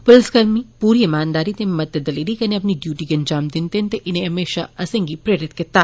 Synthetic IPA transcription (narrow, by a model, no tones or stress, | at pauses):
pʊlskɐɾmipuːɾiːɪmaːnd̪aːɾit̪emɐt̪ːed̪ɐliːlikɐneɐp̬niɖjuːʈiɡɐnd͡ʒaːmd̪ɪnt̪ent̪eʔɪnẽɦɐmeːʃaɐsɐ̃ŋɡipɾeːɾɪt̪kɪt̪aː